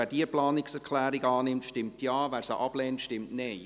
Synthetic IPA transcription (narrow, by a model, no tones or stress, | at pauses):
æːɾdiəplɑːnɪksɛɾkʰlɛːɾɪɡɑːnɪmtʃtɪmtjɑːvɛːɾsəʔɑb̥lɛːntʃtɪmtneɪ